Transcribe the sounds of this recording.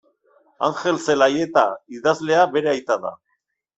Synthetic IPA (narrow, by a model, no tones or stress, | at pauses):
a̰nxe̞lse̞laje̞t̪aiðazle̞aβe̞ɾeajt̪aða̰